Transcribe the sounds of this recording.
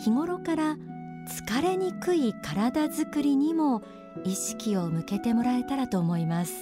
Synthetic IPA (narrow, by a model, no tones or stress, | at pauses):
kʲiŋo̞ɾo̞kaɾa | t͡sɨ̥kaɾe̞ɲ̟ikɯ̟ikaɾad̪azɨkɯ̟ɾʲiɲ̟imo̞ | iɕi̥kʲio̞mɯ̟ke̞t̪e̞mo̞ɾae̞t̪aɾat̪o̞ːmo̞imasɨ̥